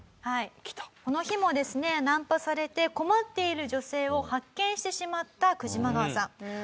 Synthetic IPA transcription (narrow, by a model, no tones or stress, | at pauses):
hai̥t̪ko̞no̞çimo̞d̪e̞sɨne̞nãmpasaɾe̞t̪e̞ko̞mat̪ːe̞iɾɯ̟ʑo̞se̞ːo̞hakːẽ̞ɰ̃ɕi̥t̪e̞ɕimat̪ːakɯ̟ʑimaɡaβasãŋ